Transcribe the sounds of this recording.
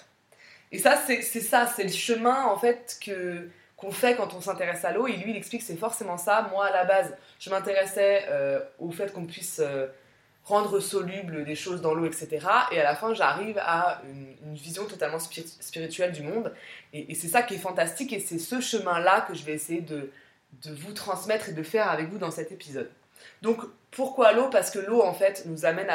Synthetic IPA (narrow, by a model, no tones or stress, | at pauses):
esasɛsɛsasɛləʃəmɛ̃ɑ̃fɛt̪kʰə | kɔ̃fɛkɑ̃t̪ɔ̃sɛ̃t̪eʁɛsaloeilɥilɛkspliksɛfɔʁsemɑ̃samwaːlabaz | ʒ̥əmɛ̃t̪eʁɛsɛøofɛt̪kɔ̃pɥisø | ʁɑ̃d̪ʁəsɔlybləd̪eʃozd̪ɑ̃loɛkset̪eʁaʔealafɛ̃ʒaʁivaynynvizjɔ̃t̪ɔt̪almɑ̃spspiʁit̪ɥɛld̪ymɔ̃d̪eʔːsɛsakʲiɛfɑ̃t̪ast̪ikesɛsəʃəmɛ̃lakəʒəvɛesejed̪ə | d̪əvut̪χɑ̃smɛt̪χed̪əfɛʁavɛkvud̪ɑ̃sɛt̪epizɔd̪ː | ɔ̃k | puʁkwalopaʁsə̥kəloɑ̃fɛt̪nuzamɛna